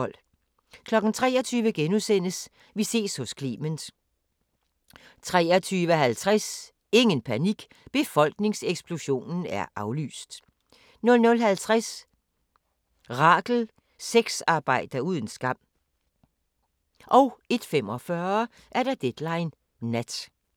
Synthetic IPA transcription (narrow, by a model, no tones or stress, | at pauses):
l̰ | kʰlɒ̽ɡ̥n̩t͡sʰʁɛ̰ːɒt͡sʰyːʋəɡ̥enusen̰əs | ʋise̝̰ːshɔ̽skʰlḭːməns | t͡sʰʁɛ̰ːɐt͡sʰyːʋəɦælt͡sʰʁas | e̝ŋənpʰæniɡ̥ | b̥e̝fɒ̽l̰ɡ̥ne̝ŋseɡ̥spʰloɕo̝̰ːnn̩æɐʔɑ̈ʊly̰ːsd̥ | nɔ̽lnɔ̽lɦælt͡sʰʁas | ʁɑ̈ːɡ̥l̩ | seɡ̥sɑ̈ːb̥ɑ̈ɪ̰d̥ɐuð̞ˠən̩sɡ̥ɑm̰ | ʔɒ̽ʊe̝d̥fem̰ɒ̽fɶɐɐ | ʔæɐɾ̥ɑ̈d̥ed̥lɑ̈ɪnː | æd̥